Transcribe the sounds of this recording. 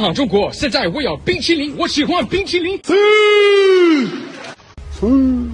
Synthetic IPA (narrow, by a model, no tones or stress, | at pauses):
xɑŋʈ͡ʂʊŋkwɔɕjɛnt͡saɪwɔjɑʊpit͡ɕʰiliŋwɔɕixwanpiŋt͡ɕʰiliŋ